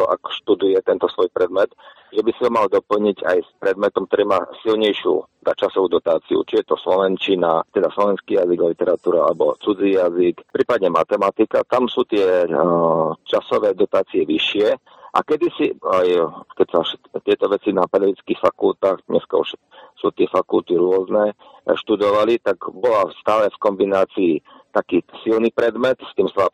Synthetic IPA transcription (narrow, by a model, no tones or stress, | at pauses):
ɔʔa̰kɔ̥ʃt̪ud̪ujɛt̪ɛnt̪ɔsʋɔjpɾɛd̪mɛt̪ | ʒɛbisiɦɔmald̪ɔpl̩ɲiɟa̰jspɾɛd̪mɛt̪ɔmk̚t̪ɔɾiːmaːsilɲɛjʃɪṵd̪at͡ʃasɔʋuːd̪ɔt̪aːt͡siṵt͡ʃijɛt̪ɔslɔʋɛnt͡ʃinat̪ɛd̪aslɔʋɛnskijaziɡalit̪ɛɾat̪uːɾaa̰lɛbɔt͡sud͡ziːjazikpɾiːpad̪ɲɛmat̪ɛmat̪ikat̪amsuːt̪ɪɛ | t͡ʃasɔʋɛːd̪ɔt̪aːt͡siɛʋiʃɪɛ | ʔa̰kɛd̪isiajkɛsaʃt̪ɪɛt̪ɔʋɛt͡sinapɛd̪ɛʋit͡skixfakult̪aːɣdɲɛska̰ṵʃ | suːt̪ɪɛfakult̪iɾʊɔznɛ | ʃt̪ud̪ɔʋalit̪aɡbɔlast̪aːlɛfkɔmbinaːt͡siːt̪akiːsilnipɾɛd̪mɛt̪st̪iːmsʋa